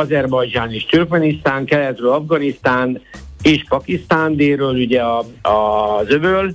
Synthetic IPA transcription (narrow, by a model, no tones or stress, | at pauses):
ɒzɛrbɒjd͡ʒaːneːʃt̪yrkmɛnist̪aːŋkɛlɛt̪røːlɒvɡɒnist̪aːneːʃpɒkist̪aːnd̪eːrøːluɟɛɒɒzøvøl